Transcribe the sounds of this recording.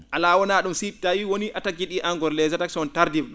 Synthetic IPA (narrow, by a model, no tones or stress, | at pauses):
ʔalaːwɔnaːɗumsitawiwoniʔatakːiɗiʔaŋɡɔɾlɛzataksɔntaɾdivɗɔ